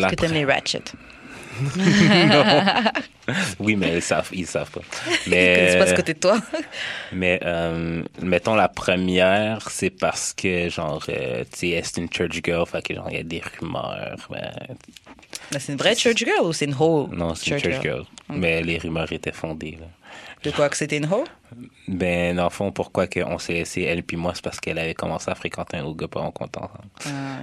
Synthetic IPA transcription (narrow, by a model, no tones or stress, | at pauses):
lakət̪ɛmleɹa̰t͡ʃə̰t̪ | nɔ̃ | wimɛilsa̰vilsa̰vpamɛpasakot̪ed̪ət̪wa | mɛʔœmmɛt̪nɔ̃lapχəmjɛːʁsɛpaʁsə̥kʰəʒɑ̃ːʁø̰eɛsɛ̥t̪ynt͡ʃɜ˞t͡ʃɡɜlfakəʒɑ̰̃ḭlaɛd̪eʁymœ̰ːʁbɛ̰̃ | mɛsɛynvʁɛt͡ʃət͡ʃɡɜlusɛynɦolnɔ̃sɛt̪nt͡ʃət͡ʃɡɜ̰lmɛleʁymœːʁet̪ɛfɔ̃d̪elad̪əkwakə̥set̪ɛnɦol | bɛ̃d̪ɑ̃lfɔ̃puʁkwakəʔɔ̃sɛɛseɛlpimwasɛ̥paʁsə̥kɛlavɛkɔmɑ̃seafχekɑ̃t̪eɛ̃noɡɔpɔ̰ɔ̰̃kɔ̰̃t̪ɑ̰̃sɑ̰̃bl